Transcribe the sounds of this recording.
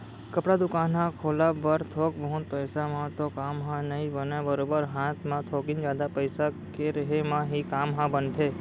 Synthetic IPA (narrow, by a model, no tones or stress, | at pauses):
kəpɽad̪ʊkaːnɦãkʰoːlabəɾt̪ʰoːkbəɦʊ̃t̪̚pəjsamãt̪okaːmɦãnəɦĩbənabəɾoːbəɾɦãːt̪ʰmãt̪ʰoːkɪ̃nd͡ʒjaːd̪apəjsakeɾəɦemãɦikaːmɦãbənt̪ʰeː